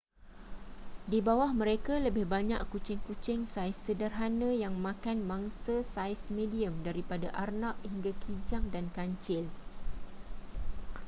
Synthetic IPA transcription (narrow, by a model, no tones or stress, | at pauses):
dibawahmə̃ɾekaləbɪhbaɲaʔkut͡ʃɪŋkut͡ʃɪŋsajsːədərɦanãjaŋmãkanmãŋsasajsmẽdiəmdaɾipadaʔarnap̚hiŋɡakʰid͡ʒaŋdankaɲt͡ʃɪl